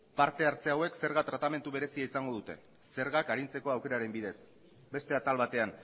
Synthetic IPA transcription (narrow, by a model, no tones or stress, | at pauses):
paɾt̪e̞aɾt͡se̞awe̞kse̞ɾɣat̪ɾat̪ame̞nt̪uβe̞ɾe̞siaisaŋɡo̞ðut̪e̞ | se̞ɾɣakaɾint͡se̞ko̞awke̞ɾaɾe̞mbiðe̞s | be̞st̪e̞at̪alβat̪e̞an